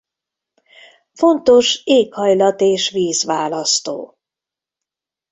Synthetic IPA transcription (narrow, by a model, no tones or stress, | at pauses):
fo̞nt̪o̞ʃeːkhɒjlɒt̪eːʃʋiːzʋaːlɒst̪o̰ː